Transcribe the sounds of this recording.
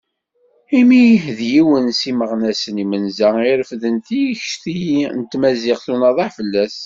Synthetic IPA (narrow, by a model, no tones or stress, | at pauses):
imiðjiwənsiməʁnæsənimənzæiɾəfðənt̪içʃθint̪mæzɪʁθunɑðˤɑħfəlːæs